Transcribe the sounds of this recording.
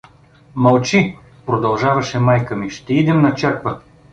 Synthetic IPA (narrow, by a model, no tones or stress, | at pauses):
mɐlˠt͡ʃi | pɾod̪ɐlˠʒavɐʃɛmajkəmiʃt̪ɛid̪ɛmnɐt͡ʃɛɾkvə